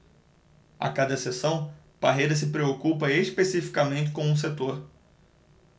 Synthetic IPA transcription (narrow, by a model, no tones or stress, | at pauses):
a̰kad̪ɐsesɐ̃w̃ | b̥aɦejɾɐs̬ɪpɾeokupɐeʃpesifi̥kamẽnt͡ʃɪ̥kõw̃ũs̬et̪oɾ